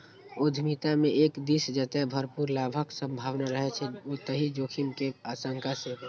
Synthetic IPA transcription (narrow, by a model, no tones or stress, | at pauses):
od̪ʱmit̪ameʔekd̪isd͡ʒət̪ɛbʱəɾpuɾlabʱəksə̃mbʱaʋnaɾəɦɛt͡ʃʰɛot̪əɦid͡ʒoːkʰimkeasəŋkʰase